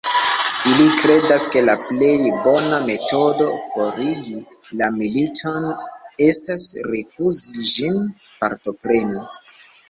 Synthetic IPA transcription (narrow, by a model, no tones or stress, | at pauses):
ilikɾe̞daske̞laple̞jbo̞name̞to̞do̞fo̞ɾiɡi | lamilitʰo̞ne̞stasɾifuziʒin | paɾto̞pɾe̞ni